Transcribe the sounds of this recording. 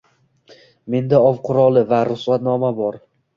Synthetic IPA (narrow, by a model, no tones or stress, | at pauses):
me̞nd̪aɒvqʰʊɾɒlˠɪvaɾʊslˠat̪nɒmabɒɾ